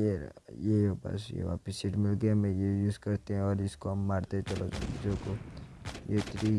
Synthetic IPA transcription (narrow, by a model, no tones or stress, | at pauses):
jeɾjeobɐ̰sjḛʋa̰ːpəsiʈmɪlɡeɛ̃mẽjejuːzkɐɾt̪eɦɛ̃ɔːɾɪskoɦɐmːaːɾt̪eɛ̃t͡ʃɐlõd͡ʒoko | jet̪ɾi